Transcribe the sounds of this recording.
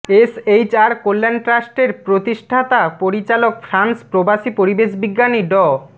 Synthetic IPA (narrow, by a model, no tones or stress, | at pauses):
esejt͡ɕaɾkolːanʈɾasʈeɾpɾot̪iʃʈʰat̪apoɾit͡ɕalok̚fʰɾanspɾobaʃipoɾibeʃbiɡːaniɖɔ